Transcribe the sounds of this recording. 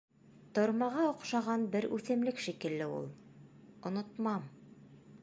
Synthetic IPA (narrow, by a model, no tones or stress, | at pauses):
t̪ŏɾmɑʁɑŏqʃɑʁɑnbɘɾʉθɘ̆mlɘkʃikɘ̆lːɘṵlˠŏnŏt̪mɑm